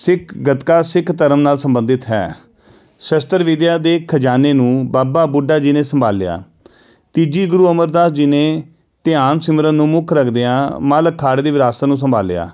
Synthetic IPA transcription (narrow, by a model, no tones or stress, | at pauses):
sɪkʰɡət̪kaːsɪkʰt̪əɾəmnaːlsəmbənd̪ɪt̪ɦɛ̰ː | səst̪əɾʋɪd̪jaːd̪eːkʰəd͡ʒaːneːnũːbaːbaːbʊɖaːd͡ʒɪnẽːsəmbʱaːlːɪja̰ː | t̪id͡ʒiːɡʊɾuːəməɾd̪aːsd͡ʒɪnẽː | t̪ɪaːnsɪməɾənũːmʊkʰɾəkʰd̪eːãːmaːləkʰːaːɽd̪eːʋɪɾaːsaːnũːs̬əmbʱaːlːja̰ː